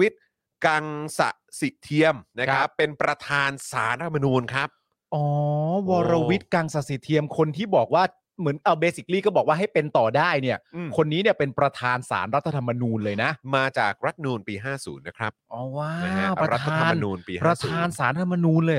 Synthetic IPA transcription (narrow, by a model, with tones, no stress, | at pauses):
wi˦˥t̪̚ | ka˧ŋsa̰˨˩ʔsi˨˩t̪ʰi˧əmna˦˥kʰa˦˥pːe˧npɾa˧t̪ʰaː˧nsaː˩˦nɾa˦˥t̪ʰa˧ma˧nuː˧nkʰɾa˦˥p̚ | ʔɔː˨˩˦wɔː˧ɾa˧wi˦˥t̪̚ka˧ŋsa˨˩si˨˩t̪ʰi˧əmkʰo˧nt̪ʰiː˥˩bɔː˨˩k̚waː˥˩ | mɯ˩˦nʔa˧˩beː˧si˨˩k̚liː˥˩kɔ˥˩bɔː˨˩k̚waː˥˩ɦa˥˩jpe˧nt̪ɔː˨˩daː˥˩jni˥˩ɐɯː˨˩kʰo˧nːiː˦˥ni˥˩ɐpe˧npɾa˧t̪ʰaː˧nsa̰ː˩˦nɾa˦˥t̪ʰːt̪ʰa˧mːa˧nuː˧nlɤː˧jna˦˥ʔmaː˧t͡ɕa̰ː˨˩k̚ɾa˦˥t̪̚nuː˧npiː˧ɦaː˥˩sṵː˩˦nːa˦˥kʰɾa˦˥p̚ʔɔː˧˩waː˦˥˩a˦˧˦ɾa˧˦˧aaːa˧mnnuː˧npiː˧pɾa˧˥t̪ʰaː˧nsaː˨˩˦nɾa˧t̪ʰa˧mːa˧nuː˧nlɤː˧j